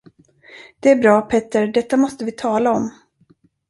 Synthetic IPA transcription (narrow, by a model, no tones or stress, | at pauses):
d̪̥ɛæɾbɾɑːpʰɛt̪ːəɾɖɛt̪ːamɔst̪əvɪt̪ʰɑːlaɔm